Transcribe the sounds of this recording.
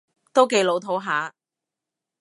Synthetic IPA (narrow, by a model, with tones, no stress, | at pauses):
t̪o˥wke˨˧jlo˨˧wt̪ʰo˨˥wɦaː˨˥